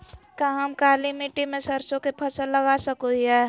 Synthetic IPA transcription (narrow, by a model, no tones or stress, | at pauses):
kaɦəmkaːlimiʈimẽsɐɾsõkepʰɐsəlːəɡasəkoiɦɛː